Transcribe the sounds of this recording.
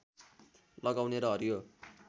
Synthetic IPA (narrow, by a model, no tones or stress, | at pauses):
lʌɡawneɾʌɦʌɾjo